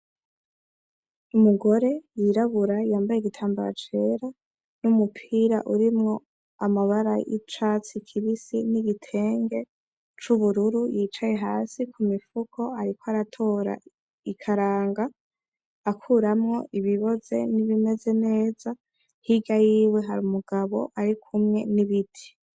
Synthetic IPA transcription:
umuɡo̞ɾe̞jiɾaβuɾajaːmbajeɡitʰaːmbaɾa̰t͡ʃe̞ɾa | numupʰiːɾa̰ʔuɾimŋo̞ | amaβaɾajḭt͡ʃat͡sikʰiβisiniɡitʰe̞ːŋɡe̞ | t͡ʃuβuɾuɾujiːt͡ʃaje̞ɦaːsikʰumifukʰo̞aɾikoaɾatʰo̞ːɾa̰ | ikʰaɾaːŋɡa | akʰuːɾamŋo̞̰ʔiβiβo̞ze̞̰niβime̞ze̞ne̞ːz̥a | hiɡajiːwe̞ɦaɾumuɡaβo̞̰ʔaɾikʰumŋe̞̰niβitʰi̥

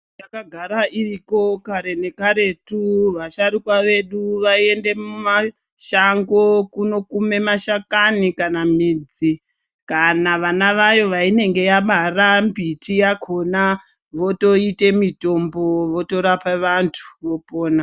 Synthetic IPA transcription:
jakaɡʱaɾaʔiriko̞kaɾe̞ne̞kaɾe̞tuʋaʃaɾikwaʋe̞ɗuʋaie̞nde̞muma | ʃaŋɡo̞kuno̞kume̞maʃakanikanamiːd͡zi | kanaʋanaʋajo̞ʋaine̞ŋɡe̞jaɓarambitijakʰo̞na | ʋo̞to̞ite̞mito̞mbo̞ʋo̞to̞ɾapaʋantʰu̥ʋo̞poːna

